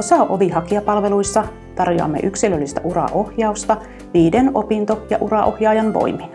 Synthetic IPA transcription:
osɑˑʔoʋihɑkiɑpɑlʋeluisːɑ | t̪ɑrjoɑ̰mːḛʔyksilølːist̪æʔurɑ̰ʔohjɑust̪ɑ | ʋiːdenopint̪ojɑ̰ʔurɑʔo̰hjɑːjɑnʋo̰imin

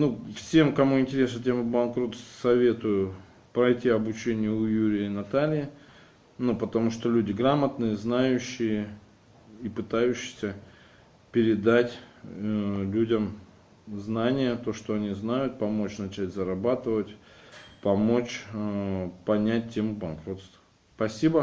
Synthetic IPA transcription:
nufsʲe̞mkɐmuɪnʲtʲɪɾʲesnətʲe̞mbɐnkɾot̪sɐvʲe̞t̪ʊjʊ | pɾɐjtʲiɐbʊt͡ɕenʲɪjʊʊjuɾʲɪjənɐt̪alʲɪɪ | nupət̪ɐmuʂt̪olʲudʲɪɡɾamət̪nɨjəznajʉɕːɪjə | ipɨt̪ajʉɕːɪ̥sʲə | pʲɪɾʲɪd̪atʲ | lʲudʲəm | znanʲɪjət̪o̞ʂt̪oɐnʲiznajʊt̪̚pɐmo̞t͡ɕnɐt͡ɕætʲzəɾɐbat̪ɨvətʲ | pɐmo̞t͡ɕ | pɐnʲæt̚ʲtʲːemʊbɐnkɾo̞t̪st̪ | spɐsʲibə

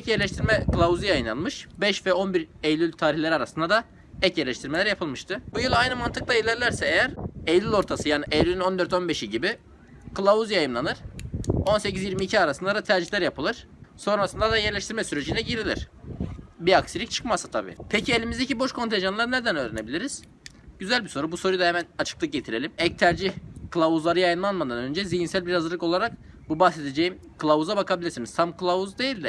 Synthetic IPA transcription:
ɛcjɛɾlʲɛʃt̪ʰiɾmɛkɯlˠauzijajɯnˠa̰nmɯʃbɛʃvɛo̞nbiɾejlʲylʲt̪ʰaːɾiçlʲeɾiaɾasɯnd̪ad̪a | ɛcjɛɾlʲɛʃt̪ʰiɾmelʲæɾjapʰɯlˠmɯʃt̪ʰɯbujulˠajnɯmant̪ʰɯk̚lˠailʲæɾlʲæɾsɛejæɾejlʲylʲo̞ɾt̪ʰasɯjaːniʔejlʲylʲyno̞nd̪ø̞ɾt̪o̞nbeʃiɟibi | kɯlˠauzijajɯmlˠanɯɾ̥o̞nsecʰizjiɾmiːcʰiaɾasɯnd̪ad̪at̪ʰæɾd͡ʒiçlʲæɾjapʰɯlˠɯɾ̥ | so̞nɾasɯnd̪ad̪ajɛɾlʲɛʃt̪ʰiɾmɛsyɾe̞d͡ʒinɛɟiɾilʲḭɾ̝̥ | biaksilʲic̚t͡ʃʰɯ̥kmasḁt̪ʰa̰bḭːpʰecʰielʲimizd̪ecʰibo̞ʃkʰo̞nt̪ʰeʒanlˠaɾɯned̪ænøːɾenebilʲiɾiz̥ | ɟyzælʲbiso̞ɾubusoɾujd̪ahɛmænat͡ʃʰɯ̥klˠɯk̚ɟe̞t̪ʰiɾe̞lʲimɛc̚t̪ʰæɾd͡ʒihkɯlˠavuzlˠaɾɯjajɯnlˠanmad̪anø̞nd͡ʒɛzijinsælʲbiɾhazɯɾlˠɯko̞lˠaɾak | bubaxse̞d̪ed͡ʒejim | kʰɯlˠavuzabakʰabilʲiɾsiniz̥t̪ʰamkɯlˠavuzd̪e̞jilʲd̪ɪ

